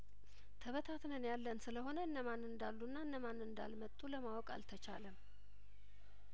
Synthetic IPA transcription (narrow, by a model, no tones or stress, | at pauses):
t̪ʰəβət̪ʰat̪nənjalːənsɨləho̞nəɨnːəmanɨnd̪alːunːaɨnːəmanːɨnd̪a̰lmət̪ʼːuləmawɔkʼa̰lt̪ʰət͡ʃa̰ləm